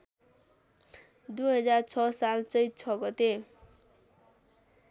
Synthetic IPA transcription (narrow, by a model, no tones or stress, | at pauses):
d̪ujɦʌd͡zart͡sʰʌsalt͡sʌj̚t͡sʰʌɡʌt̪e